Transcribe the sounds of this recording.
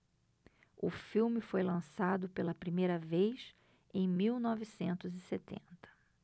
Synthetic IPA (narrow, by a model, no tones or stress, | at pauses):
ʊfiwmɪfojlɐ̃sad̪ʊpelɐpɾimejɾɐvejs | ẽj̃miwnɔvɪsẽnt̪ʊzɪset̪ḛ̃nt̪ɐ̥